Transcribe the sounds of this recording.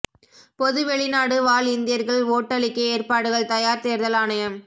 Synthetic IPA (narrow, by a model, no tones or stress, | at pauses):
pɔðɯʋɛɭɪnaːɽɯʋaːlɪnd̪ɪjɐɾɣɐɭoːʈːɐɭɪkːɯeːrpaːɽɯɣɐɭt̪ɐjaːɾt̪eːɾðɐlaːnɐjɐm